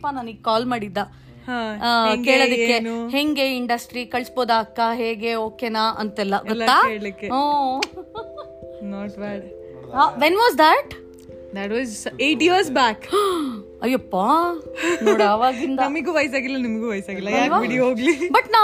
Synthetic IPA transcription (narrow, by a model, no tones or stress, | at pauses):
pːanaːniɡkaːlmaːɽid̪ːa | hãŋke̞ːɭod̪ɐkkːeheŋɡeiɳɖɐsʈɾikɐɭsboːd̪aːkːɐɦeːɡeoːkenaʔɐ̰nt̪ɛlːɐɡɔlːaːeːɭikːeaː | noːʈʋaʈ | ɦaʋenʋaːzd̪ɐʈ | d̪ɐʈʋɔːzejʈiɐɾsbaːk | ɐjːɐpːa | noːɽaːʋaːɡind̪ɐnɐmɐɡuːʋɐjs̬aːɡilːɐnimɐɡuʋɐjsaːɡilːɐjɐaʋaiɽiɦoːɡlibɐʈnaː